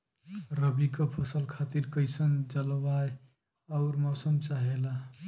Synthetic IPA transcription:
ɾəbikəpʰəsəlkʰat̪iɾkəɪsənd͡ʒəlwaj | aʊɾmɔsəmt͡ʃaɦela

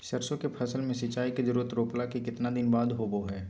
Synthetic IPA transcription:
sɐɾsõkepʰɐsəlmẽsɐɪt͡ʃaːikezɐɾuːɾət̪ɾoːplakekɪt̪nad̪ɪnbaːd̪ɦoːboɦɛː

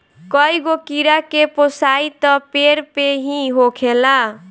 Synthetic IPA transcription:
kʌjɡokiɾakeposajt̪ʌpeɾpeɦĩɦokʰela

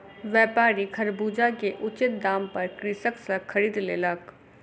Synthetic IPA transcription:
ʋjɛːpaːɾikʰɐɾbuːd͡ʒakeʔʊt͡ʃɪt̪̚d̪aːmpɐɾkɾɪsəksəkʰɐɾiːd̪leːlək

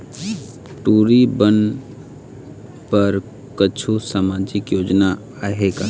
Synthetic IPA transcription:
ʈuːɾibən | pəɾ | kət͡ʃʰusamad͡ʒɪkjoːd͡ʒna | aɦeɡa

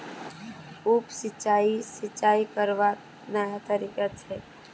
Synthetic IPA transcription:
uːpsɪt͡ʃːaːisɪt͡ʃːaːikəɾʋa | nəjat̪əɾiːkat̪ɛː

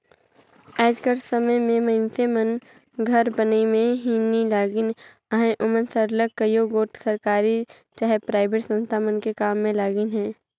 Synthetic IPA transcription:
ɛːd͡ʒkəɾsəməjmẽmɐɪnsemən | ɡʱɐɾbəneimẽɦinilaːɡɪn | əɦẽʔʊmənsəɾləkːəjoːɡoːʈsəɾkaːɾi | t͡ʃaɦepɾaːɪbeːʈsə̃nst̪ʰamənkekaːmːẽlaːɡɪnɦɛ̃ː

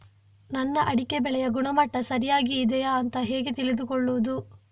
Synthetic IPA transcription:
nɐnːɐʔɐɽikebɛɭɛjɐɡuɳɐmɐʈːɐsɐɾijaːɡiːd̪ɛjaɐnt̪ɐɦeːɡet̪ilid̪ukɔɭːuʋud̪u

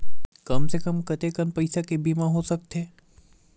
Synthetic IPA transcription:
kɐmsekəmkɐt̪ekəmpɐɪsakebiːmaɦosɐk̚t̪eː

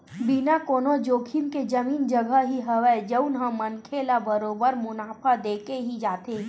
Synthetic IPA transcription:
binakoːnod͡ʒoːkʰinked͡ʒəmiːnd͡ʒəɡʱəɦɦiɦəʋɛd͡ʒəʊnɦə̃mːənkʰeːlabəɾoːbəɾmʊnaːpʰad̪eːkeɦid͡ʒaːt̪eː

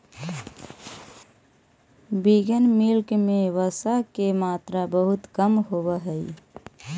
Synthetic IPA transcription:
biɡənmɪlkmeʋəsakemaːt̪ɾabəɦʊt̪kəmɦobəɦəi

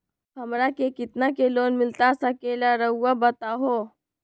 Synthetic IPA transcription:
ɦɐmɾakekɪt̪nakeloːnmɪlt̪asakeːlaɾɐɦuwabət̪aɦoː

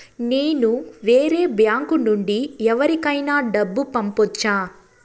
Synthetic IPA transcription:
neːnuʋeːɾeːbjaːŋkunuɳɖiɛʋɐɾikɐjnaːɖɐbːupɐmpɔt͡ʃːaː

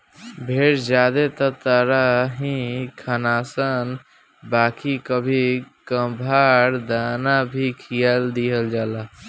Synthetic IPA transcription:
bʱeɾd͡ʒad̪et̪ət̪əɾaɦĩkʰənasən | bakikəbʱikə̃bʱaɾd̪anabʱikʰijəld̪iɦəld͡ʒaːla

